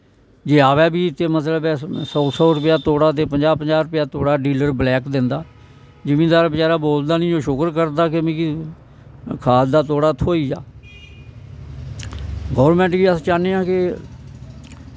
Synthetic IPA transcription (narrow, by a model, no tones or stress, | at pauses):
d͡ʒeːaːʋɛːbiːɪt̪ːeːmət̪ləbɛːsɔːsɔːɾʊpɪjaːt̪oːɽaːt̪̬eːpəɲd͡ʒaːpəɲd͡ʒaːɾʊpɪjaːt̪oːɽaːɖiːləɾblɛːkd̪ɪnd̪aː | d͡ʒɪmĩːd̪aːɾbət͡ʃaːɾaːboːld̪aːnĩːd͡ʒoːʃʊkəɾkəɾd̪aːkemẽːki | kʰaːld̪aːt̪oːɽaːt̪ʰːoːiːd͡ʒa̰ː | ɡɔːɾmɛ̃ːɳʈɡiːəst͡ʃaːneːãːkɪ